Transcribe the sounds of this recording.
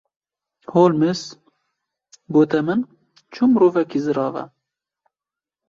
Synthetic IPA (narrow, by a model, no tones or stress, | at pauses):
hoːlmɨs | ɡoːt̪ɛmɨn | t͡ʃʰumɾuːvɛkizɨɾɑːvɛ̰